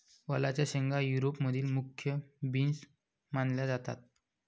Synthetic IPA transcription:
ʋəlat͡ɕjaɕəŋɡajuɾopməd̪ʱiːlmukʰːjəbins | manljad͡zat̪a̰t̪̚

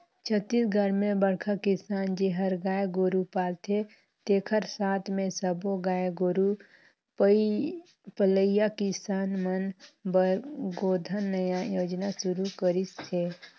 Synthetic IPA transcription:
t͡ʃʰət̪ːisɡʱəɾmẽbəɽkʰakɪsaːnd͡ʒeɦəɾɡaːjɡoɾupaːlt̪e | t̪eːkʰəɾsaːt̪ʰmẽsəboɡaːjɡoːɾu | pələɪjakɪsaːnmənbɡoːd̪ʱənːəjajoːd͡ʒnasʊɾukəɾisseː

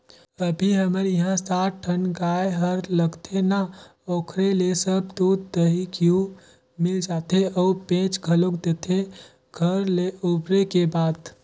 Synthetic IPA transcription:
əbʱiɦəməɾjiɦãsaʈʈʰənɡaeɦəɾləɡt̪ʰena | okʰɾelesəb̚d̪od̪d̪əɦikiu | mild͡ʒat̪ʰeʔɔupẽt͡ʃɡʱəlokd̪et̪ʰe | ɡʱəɾleubɾekebaːd̪

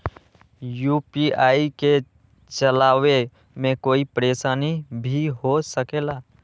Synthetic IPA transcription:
juːpiaːike | t͡ʃəlaːwe | mẽkoːipəɾeːsaːnibʱiɦosəkeːlaː

